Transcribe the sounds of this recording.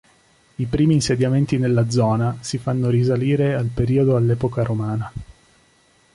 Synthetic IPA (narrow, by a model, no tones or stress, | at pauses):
ipɾiːmiːnsed̪jament̪inelːad̪zːɔːnasifanːoɾisaliːɾealpeɾiːod̪oalːɛːpokaɾomaːna